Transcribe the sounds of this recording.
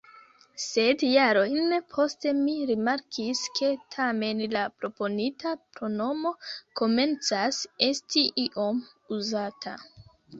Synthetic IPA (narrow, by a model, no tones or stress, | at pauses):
se̞djaɾo̞jnpʰo̞ste̞miɾimaɾkʰiskʰe̞tʰame̞nlapɾo̞po̞nitʰapɾo̞no̞mo̞ko̞me̞nt͡sase̞stiʔiʔo̞m | uzatʰa